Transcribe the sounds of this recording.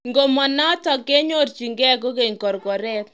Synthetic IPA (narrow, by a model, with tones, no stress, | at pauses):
ŋɡo˨mɔ˨na˦tɔ˨ke˦ɲo˦tt͡ʃi˨ŋɡɛ˦ko˦ke˨ŋkɔ˨ɾkɔ˨ɾɛ˦t̚